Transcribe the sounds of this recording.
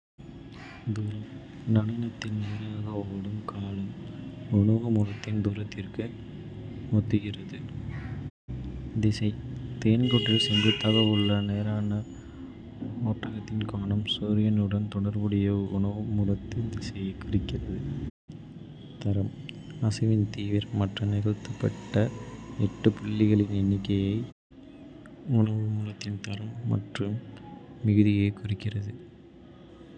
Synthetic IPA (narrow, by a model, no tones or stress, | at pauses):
d̪uːɾɐm | nɐɽɐnɐt̪ːɪnneːɾaːɣɐɐɽɯmkʰaːlɯmʊɳɐɣɐmʊlɐt̪ːɪnd̪uːɾɐt̪ːɪrkɯ | ɔt̪ːɯɣɪrɐðɯ | d̪ɪsɐɪt̪eːnkɔʈːɪlsɛndrɯt̪ɐɣɐʋɯɭːɐneːɾaːnɐ | oːʈrɐɣɐt̪ːɪnkaːɳɐmsuːɾɪjɐnɯɽɐnt̪ɔɽɐɾbɯɽɐjɐʊɳɐʋɯmʊɾɐt̪ːɯnd̪ɪsɐjɐɪkʊrɪkːɪrɐðɯ | t̪ɐɾɐm | ɐsɐʋɪnt̪iːʋɪɾmɐʈrɐnɪɣɐt̪ːɯpːɐʈːɐɛʈːɯpʊɭːɪɣɐɭɪnɛnːɪkːɐjɐɪ | ʊɳɐʋɯmʊɾɐt̪ːɪnt̪ɐɾɐmːɐ̰ʈrɯmː | ɪɣɯðɪjɐɪkʊrɪkːɪrɐðɯ